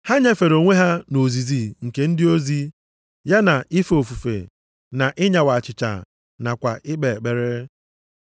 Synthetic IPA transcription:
ha˦ɲa˦fe˨ɾo˨ŋʷe˦ɦa˦no˨zi˨zi˨ŋ̩˨ke˨˦n̩˦dɪ˦o˦zi˦ | ja˦na˨ʔɪ˦fo˨fu˨fḛ˨ | na˨ʔɪ˦ɲa˨wa˨t͡ʃɪ˨t͡ʃa̰˨ | na˨kʷa̰˨ʔɪ˦k͡pe˨k͡pe˨ɾe˦

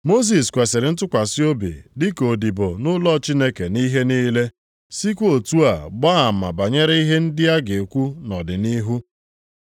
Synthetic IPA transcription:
mo˦s̬i˨skʷe˨se˨ɾɪ˨n̩˦t̬ʊ˦kʷa˨si˦o˦bḭ˨dɪ˦ko˨di˨bo˨nʊ˦lɔ˦˨t͡ʃi˦ne˦ke˨ni˦ɦe˦niː˦le˦ | si˦kʷo˨tu˦a˨ɡ͡ba˦a˨ma̰˨ba˨ɲe˦ɾe˦i˦ɦe˦n̩˦dɪ˦a˦ɡe˨kʷu˦nɔ˨dɪ˨ni˦ɦu˦

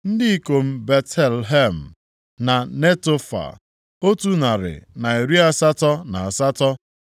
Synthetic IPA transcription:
n̩˦dɪ˦i˦ko˨m̩˦be˨tʰe˨lɦe˦m̩˨ | na˨ne˦to˦fa̰˨ | o˦tu˦na˨ɾɪ̰˨na˨e˨ɾi˦a˦sa˦tɔ˦na˨a˨sa˦tɔ˦

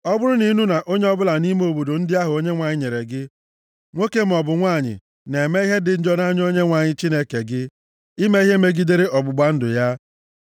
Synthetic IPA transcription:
ɔ˦bʊ˦ɾʊ˦ni˦nu˦na˨ʔo˦ɲe˦ɔ˦bʊ˦la˨ni˦me˦o˨bo˨do˨n̩˦dɪ˦a˦ɦʊ˨o˦ɲe˦ŋʷa˨ɲɪ˦ɲe˨ɾe˨ɡɪ˦ | ŋʷo˦ke˦m̩˦˨ɔ˨bʊ˨ŋʷa˦˨ɲɪ̰˨ | ne˨me˦i˦ɦe˦dɪ˨n̩˦d͡ʒɔ˦n˦a˦ɲ˦o˦ɲe˦ŋʷa˨ɲɪ˦t͡ʃi˦ne˦ke˨ɡɪ˦ | i˦me˦i˦ɦe˦me˦ɡi˦de˦ɾe˦ʔɔ˨bʊ˨ɡ͡ba˦n̩˦dʊ˨ja˦

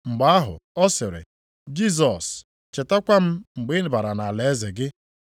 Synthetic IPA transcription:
ŋ͡m̩˨ɡ͡ba˨˦a˦ɦʊ̰˨ɔ˦sɪ˨ɾɪ̰˨ | d͡ʒi˦˨z̬ɔ˨s | t͡ʃɪ˨ta˦kʷa˦m̩˦ŋ͡m̩˨ɡ͡bɪ˦n˨ba˨ɾa˨na˨le˨e˦zɪ˨ɡɪ˦

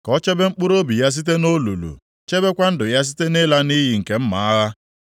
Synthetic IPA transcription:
kɔ˦t͡ʃe˦be˦ŋ͡m̩˦k͡pu˦ɾo˦bi˨ja˦s̬i˦t̬e˦no˦lu˨lṵ˨ | t͡ʃe˦be˦kʷa˦n̩˦dʊ˨ja˦s̬i̥˦te˦ne˦la˦ni˦ɦi˨ŋ̩˨ke˦m̩˦ma̰˨a˦ɣa˦

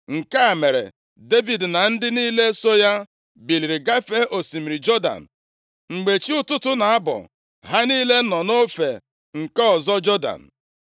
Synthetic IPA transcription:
ŋ̩˨ka˦a˨me˨ɾḛ˨ | de˦vi˨dna˨n̩˦dɪ˦niː˦le˦so˦ja˦ | bi˨li˨ɾi˨ɡa˦fe˦ʔo˨si˨mi˨ɾi˨d͡ʒɔ˦da̰˨n̩˨ | ŋ͡m̩˨ɡ͡be˨t͡ʃi˦ʊ˦tʊ˦tʊ˦na˨a˦bɔ̰˨ | ɦa˦niː˦le˦nɔ˨no˦fe˨ | ŋ̩˨kɔ˦ɔ˨zɔ˦d͡ʒɔ˦da̰˨n̩˨

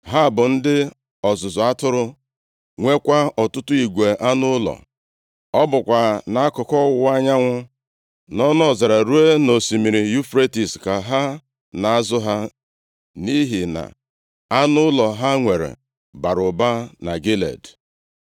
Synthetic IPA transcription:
ɦa˦˨bʊ˨n̩˦dɪ˦ | ɔ˨zʊ˨zʊ˨a˦tʊ˦ɾʊ˦ | ŋʷe˦kʷa˦ɔ˨tʊ˦tʊ˦i˨ɡʷe˨ʔa˦nʊ˦lɔ̰˨ | ɔ˦bʊ˨kʷa˨na˨a˦kʊ˨kɔ˦wʊ˦˨a˦ɲa˦ŋʷʊ˦ | nɔ˦nɔ˦˨za˨ɾa˨ɾu˦e˦no˨si˨mi˨ɾi˨ju˦fɾe˦ti˨ska˨ɦa˦ | na˨a˦zʊ˦ɦa˦ | ni˦ɦi˨na̰˨ | a˦nʊ˦lɔ˨ɦa˦ŋʷe˨ɾḛ˨ | ba˨ɾʊ˨ba˦na˨ɡe˦lḛ˨d

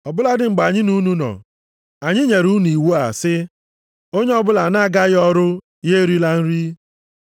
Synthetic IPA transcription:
ɔ˨bʊ˦la˦dɪ˦ŋ͡m̩˨ɡ͡ba˨ɲɪ˦nu˦nu˦nɔ̰˨ | a˨ɲɪ˦ɲe˨ɾu˦n˨i˨wu˦a̰˨sɪ˦ | o˦ɲe˦ɔ˦bʊ˦la˨na˦a˦ɡa˦ɣɔ˦ɾʊ˦ | je˦ɾi˦la˦n̩˦ɾi˦

